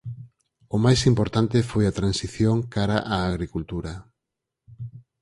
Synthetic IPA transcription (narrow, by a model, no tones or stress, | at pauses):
ʊmajsimpoɾt̪ant̪ɪfojat̪ɾansiθjoŋkaɾaʔaːɣɾikult̪uɾɐ